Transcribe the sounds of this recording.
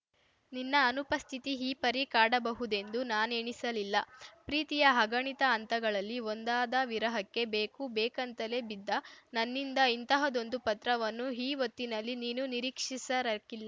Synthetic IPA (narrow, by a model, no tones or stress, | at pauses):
ninːɐːnupɐst̪ʰit̪iɦiːpɐɾikaːɽɐbɐɦud̪e̞nd̪unaːne̞ːɳisɐlilːɐ̰pɾiːt̪ijɐɦɐɡɐɳit̪ɐːnt̪ɐɡɐɭɐlːiond̪aːd̪ɐʋiɾɐɦɐkːe̞beːkubeːkɐnt̪ɐlebid̪ːɐnɐnːind̪ɐint̪ɐɦɐd̪o̞nd̪upɐt̪ɾɐʋɐnːuɦiːʋot̪ːinɐlːiniːnuniɾiːkʂisɐɾɐkilːɐ